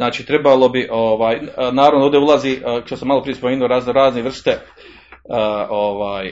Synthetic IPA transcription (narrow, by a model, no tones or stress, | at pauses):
naːt͡ʃiːt̪ɾe̞balo̞biʔoʋaːjnaːɾavʋnod̪oːd̪eulˠaziːt̪osamalopɾije̞spomeːnioɾaːznoɾaːzneʋr̩st̪e | əʔoːʋaːj